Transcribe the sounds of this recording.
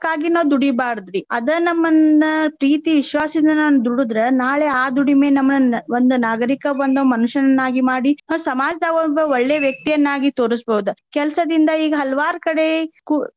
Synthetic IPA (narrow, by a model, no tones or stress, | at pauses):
kːaːɡinɐːʋd̪uɽibaːɾd̪ɾiɐd̪ɐnɐmːɐnːɐpɾiːt̪iʋiʃʋaːsɐind̪ɐnaːnud̪uɽud̪ɾenaːɭeaːd̪uɽimeːnɐmːɐnɐond̪unaːɡɐɾikɐbɐnd̪ɐmɐnuʂɐnɐnːaːɡimaːɽinɐsɐmaːd͡ʒɐd̪aɡobɐoɭːeʋjɐk̚t̪ijɐnːaːɡit̪o̞ːɾisboɦud̪ukɛlsɐd̪ind̪ɐiːɡɐɦɐlɐʋaːɾkɐɽe̞ku